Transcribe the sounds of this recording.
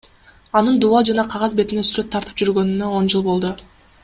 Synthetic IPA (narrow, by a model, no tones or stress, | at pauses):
ɑnɯnd̪uɑlˠd͡ʒɑnɑqʰɑʁɑzbe̞t̪inesyɾø̞t̪ʰːɑɾt̪ɯ̥p̚d͡ʒyɾɡø̞nynø̞o̞nd͡ʒɯlˠbo̞lˠd̪u